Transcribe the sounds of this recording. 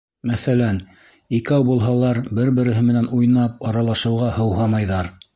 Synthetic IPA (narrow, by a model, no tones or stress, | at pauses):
mæθælæn | ikæwbulˠɦɑlˠɑɾbɘɾbɘ̆ɾɘ̆ɦɘmɘ̆nænujnɑp̚ɑɾɑlˠɑʃɤ̆wʁɑhɤ̆wɦɑmɑjðɑɾ